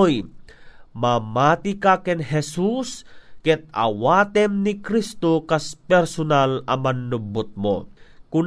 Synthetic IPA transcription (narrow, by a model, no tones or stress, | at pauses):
j | mamaːt̪ikakɛnɦɛsuskɛt̪̚a̰waːt̪ɛmnikɾist̪okaspɛɾsonalɐmɐnːubʊt̪̚mo̰kʊn